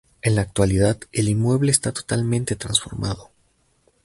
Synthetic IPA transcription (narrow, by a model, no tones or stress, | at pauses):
e̞nlaːk̚t̪waliðaðe̞linmwe̞βle̞ːst̪at̪o̞̥t̪almẽnt̪e̞t̪ɾansfo̞̰ɾmʔaðo̞